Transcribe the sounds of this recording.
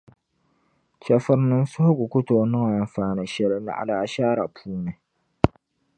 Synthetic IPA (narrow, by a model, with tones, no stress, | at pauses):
t͡ʃɛ˨fʊ˦ɾnɨ˦nsʊ˦hʊ˦ɡʷʊ˨kʊ˦toː˨nɨ˦ŋa˨a˨m˨faː˨nɨ˦ʃɛ˦lɨ˦na̰˦ʔa̰˨laː˨˦ʃaː˦ɾa˨pʰuː˦nɨ˨